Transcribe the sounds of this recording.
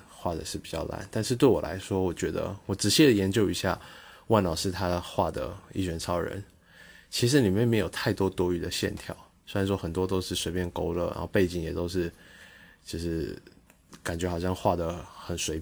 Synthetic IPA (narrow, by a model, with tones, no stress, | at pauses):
xwa˥˩d̪ə˩ʂɻ̩˥˩pi˨˩t͡ɕjɑ̰˥˩ʊla̰˧˦nt̪a˥˧nʂɻ̩˥˧t̪we˥˩ɪwɔ̰˨˩la̰˧˥ɪʂwɔ˥wɔ˨˩t͡ɕɥɛ˧˥d̪ə̰˧wɔ˨˩ʈ͡ʂɻ̩˨˩ɕjɛ˥˩d̪ə˩jɛ˧˥nt͡ɕjo˥˧ʊi˧˥ɕja̰˥˩wa˥˩nlɑ˨˩ʊʂɻ̩˥˩t̪ʰa˥xwa˥˩d̪ə̰˩ḭ˥˩t͡ɕɥɛ˧˥nt͡sʰɑ˥ʊɻə̰˧˥n | t͡ɕʰi˧˥ʂ̬ɻ̩˧˥nli˨˩mjɛ˥˩nme˧˥ɪjo˨˩ʊt̪ʰa˥˩ɪt̪wɔ˥t̪wɔ˥y˨˩d̪ə˨˦ɕjɛ̰˥˨nt̪ʰjɑ̰˥˩ʊ | se˥˩˧ʂwɔ˥xə˨˩nt̪wɔ˥t̪o˥ʊʂɻ̩˥˩swe˧˥ɪpjɛ˥˧nko˥ʊlə̰˨˩a̰˧˥xo˥˧ʊpe˥˩ɪt͡ɕi˨˩ŋjɛ˨˩t̪o˥ʊʂɻ̩˥˩ | t͡ɕjo˥˧ʂɻ̩˥˩ | ka˨˩nt͡ɕɥɛ˧˥xɑ˨˩ʊɕjɑ˥˧ŋxwa˥˩d̪ə˩xə˨˩nʂwe˧˥ɪ